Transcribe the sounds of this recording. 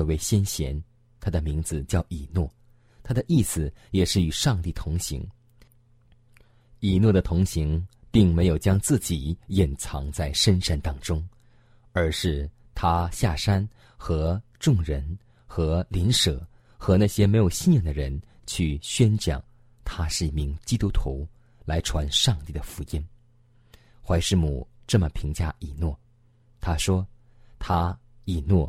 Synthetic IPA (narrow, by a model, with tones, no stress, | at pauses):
we˥˩ɪɕjɛ˥nɕjɛ˧˥n | t̪ʰa˥d̪ə˨mi˧˥ŋd͡zɹ̩˧t͡ɕjɑ˥˩ʊʔi˨˩nwɔ˥˩ | t̪ʰa˥d̪ə˨ʔi˥˩sɹ̩˨˩jɛ˨˩ʂɻ̩˥˩y˨˩ʂɑ˥˧ŋt̪i˥˩t̪ʰʊ˧˥ŋɕḭ˧˥ŋ | i˨˩nwɔ˥˩d̪ə˩t̪ʰʊ˧˥ŋɕi˧˥ŋ | pi˥˩ŋme˧˥ɪjo˨˩ʊt͡ɕjɑ˥ŋt͡sɹ̩˥˩t͡ɕi˨˩˦jɛ˨˩nt͡sʰɑ˧˥ŋt͡sa˥˩ɪʂə˥nʂa˥˩nt̪ɑ˥ŋʈ͡ʂʊ˥ŋ | ə˞˧˥ʂɻ̩˥˩ | t̪ʰa˥ɕja˥˩ʂa˥n | xɤ˧˥ʈ͡ʂʊ˥˩ŋɻə˧˥n | xɤ˧˥li˧˥nʂɤ˨˩˦ | xɤ˧˥na˥˩ɕjɛ˥me˧˥ɪjʊɕi˥˧njɑ˥˩d̪ə˩ɻə˧˥n | t͡ɕʰy˥˩ɕɥɛ˥nt͡ɕjɑ̰˨˩˦ŋ | t̪ʰa˥ʂɻ̩˥˩˥mi˧˥ŋt͡ɕi˥t̪u˥t̪ʰu˧˥ | la˧˥ɪʈ͡ʂʰwa˧˥nʂɑ˥˧ŋt̪i˥˩d̪ə˩fu˧˥i˥n | xwa˧˥ɪʂɻ̩˥˩mṵ˨˩ʈ͡ʂɤ˥˩mə˩pʰi˧˥ŋt͡ɕja˥˩i˨˩nwɔ˥˩ | t̪ʰa˥ʂwɔ˥ | t̪ʰa˥ | i˨˩nwɔ˥˩